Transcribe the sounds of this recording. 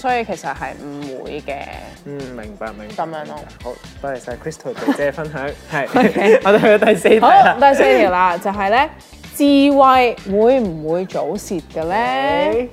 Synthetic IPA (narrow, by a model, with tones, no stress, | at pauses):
sɔː˨˥ji˧kʰe˨˩sɐ˨t̚hɐ̰˨jm̩˨˩wṵː˨˧jkɛ̰ː˧m̩˨˩mɪ˨˩ŋpa̰ː˧k̚mɪ˨˩ŋkɐ˨˧mjœː˨˥ŋɔ˧ho˨˧˦ | tɐ˨˥kʰe˨˩sɐ˨hɐ˨˩kʰɹi˥st̪ʰo˨˩t̪e˨t͡sɛː˥˨fɐ˥nɦœː˨˥ŋhɐ˨jɔː˨˧t̪o˨˧hɵ˧˥ɔ˧˥t̪ɐ˨˩jse˧jo˨˥˨t̪ɐ˨˧jse˧jt͡si˨˩laː˧t͡sɐ˨wɦɐ˨jlɛː˥ | t͡siː˧wɐ˧jwuː˨˧jm̩˨˩wuː˨˧jt͡ʃo˨˥wsiː˨t̚kə˧lɛː˥